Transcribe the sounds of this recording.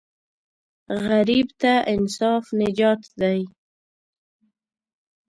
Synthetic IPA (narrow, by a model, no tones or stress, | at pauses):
ɣaɾibt̪aʔɪnsɑfnɪd͡ʒɑt̪d̪aj